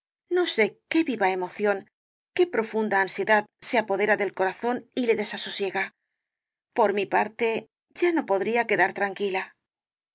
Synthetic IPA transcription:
no̞se̞ke̞βiβae̞mo̞θjo̞ŋ | ke̞pɾo̞fund̪aːnsje̞ðaðseapo̞ðe̞ɾaðe̞lko̞ɾaθo̞nile̞ðe̞sasosje̞ɣa | po̞ɾmipaɾt̪e̞ | ʝano̞po̞ðɾiake̞ðaɾt̪ɾaŋkila

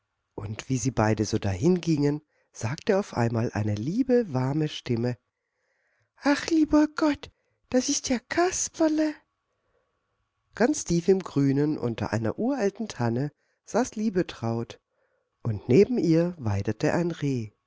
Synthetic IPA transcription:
ʔʊntv̥iːziːbaɪdəzoːdahɪnɡɪŋən | z̥aːk̚təaʊfʔa̰ɪnmaːlʔa̰ɪnəliːbəvaɐməʃtɪmə | ʔaχliːbɐɡ̥ɔt | d̥asɪstjaːkʰaspɐlə | ɡ̥ant͡stʰiːfɪmɡʁyːnənʔʊ̰ntɐ̰ʔa̰ɪnɐ̰ʔuːɐʔaltn̩tʰanə | z̥aːsliːbətʁ̥aʊt | ʔʊntneːbm̩ʔiːɐvaɪdətʰəʔa̰ɪnʁeː

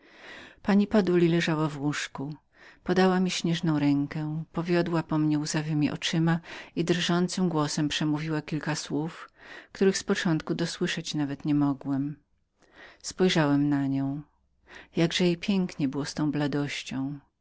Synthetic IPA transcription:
paɲipad̪ulʲilɛʐawavwuʂku | pɔd̪awamʲiɕɲɛʐnɔ̃w̃ɾɛŋkɛ̃pɔvʲjɔd̪wapɔmɲɛuzavɘmʲiʔɔ̰t͡ʂɘmaid̪ɾʐɔnt̪sɘmɡwɔsɛmpʂɛmuvʲiwakʲilkaswufkt̪uɾɘxspɔt͡ʂɔ̃nt̪kud̪ɔswɘʂɛt͡ɕnavɛt̪ɲɛmɔɡwɛm | spɔjʐawɛmnaɲɔ̃w̃ | jaɡʐɛjejpʲjɛŋkɲɛbɘwɔst̪ɔ̃w̃blad̪ɔɕt͡ɕɔ̃w̃

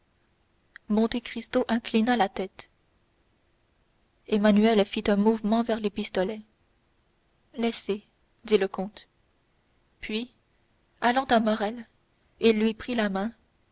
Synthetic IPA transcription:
mɔ̃t̪ekχist̪oʔɛ̃klinalat̪ɛt̪ | emanyɛlfit̪ɛ̃muvmɑ̃vɛʁlepist̪ɔlɛ | lɛse | d̪iləkɔ̃t̪ | pɥi | alɑ̃t̪amɔʁɛl | ilːɥipχilamɛ̃

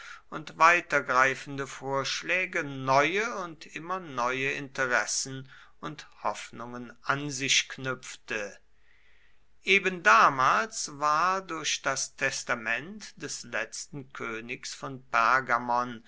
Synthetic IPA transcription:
ʊntv̥aɪtɐɡʁaɪfn̩dəfoːɐʃlɛːɡənɔʏəʊntʔɪmɐnɔʏəɪntəʁɛsən̩ | ʊnthɔfnʊŋənʔanzɪɕknʏp͡ftə | ʔeːbəndaːmaːlsvaːɐdʊɐɕd̥astʰɛstamɛntd̥ɛslɛt͡stn̩kʰøːnɪksfɔnpɛɐɡamɔn

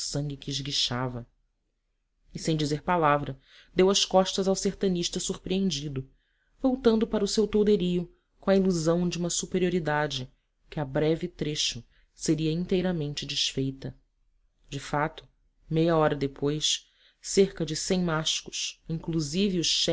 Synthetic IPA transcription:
sɐ̃ŋɡʲɪkɪːʒɡiʃavɐ | ɪsẽj̃d͡ʒizeɾpalavɾɐ | d̪ewɐskɔʃt̪ɐzawseht̪ɐ̃niʃt̪ɐsuɾpɾiẽnd͡ʒid̪ʊ | vowt̪ɐ̃nd̪ʊpaɾʊsewt̪owd̪eɾiʊ | kõɐiluzɐ̃w̃d͡ʒiũmɐsupeɾioɾid̪ad͡ʒɪ | kɪɐbɾɛvɪt̪ɾeʃʊ | seɾiɐĩnt̪ejɾɐmẽnt͡ʃɪd͡ʒiʃfejt̪ɐ | d͡ʒɪfat̪ʊ̥ | mejɐɔɾɐd̪epojs | seɾkɐd͡ʒɪsẽj̃maʃkʊ̥ʃĩŋkluzivɪʊʃʃɛ

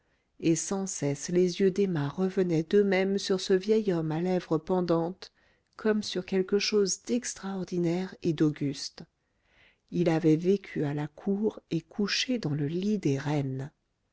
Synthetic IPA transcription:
esɑ̃sɛslezjød̪emɛ̃ʁəvənɛd̪əmɛmsyʁsəvjɛjɔmalɛvʁəpɑ̃d̪ɑ̃t̪ | kʰɔmsyʁkʲɛlkəʃozd̪ɛkst̪χaɔʁd̪inɛʁed̪ɔɡʲyst̪ | ilavɛvekʲʰyalakʰuʁekʰuʃed̪ɑ̃ləlid̪eʁɛn

